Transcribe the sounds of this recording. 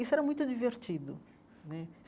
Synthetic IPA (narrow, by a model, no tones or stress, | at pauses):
isʊɛɾɐmũj̃t̪ʊd͡ʒiveɾt͡ʃid̪ʊ̰ | nɛ